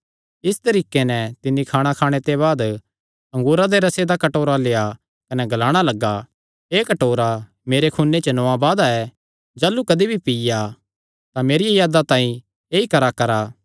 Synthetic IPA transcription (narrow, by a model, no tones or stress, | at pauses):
ɪst̪ɐɾiːkːenɛt̪ɪnːikʰaːɽ̃akʰaːɽ̃et̪eβaːd̪ | ɐ̃ŋɡuːɾad̪eɾɐsed̪akɐʈoːɾaleːa | kɐnɛɡɐlaːɽ̃alɐɡa | eːkɐʈoːɾa | meːɾekʰunːet͡ʃɐnɔabaːd̪aɛ | d͡ʒaːlːukɐd̪ibʱipija | t̪ameːɾijejaːd̪at̪ãːĩ | eːikɐɾakɐɾa